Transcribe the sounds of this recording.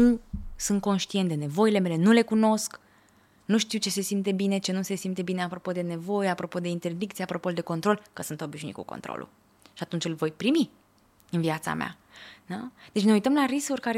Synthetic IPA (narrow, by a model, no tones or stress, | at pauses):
nusunt̪̚ko̞nʃt̪ient̪d̪ene̞vo̞ile̞me̞le̞nule̞kuno̞sk | nuʃt̪iwt͡ʃe̞se̞simt̪̬e̞bine̞t͡ʃe̞nuse̞simt̪e̞bine̞apɾo̞po̞d̪ene̞vo̞jeapɾo̞po̞d̪e̞int̪e̞rd̪ikt̪sijeapɾo̞po̞ld̪e̞ko̞nt̪ɾo̞lkəsɨnt̪o̞biʃniḭkṵkont̪ɾo̰lṵ | ʃiat̪unt͡ʃʲɨlvo̞jpɾimi | ɨnviat̪sa̰mea̰ | nad̪̥et͡ʃne̞ujt̪əmlaɾiskurʲkaɾe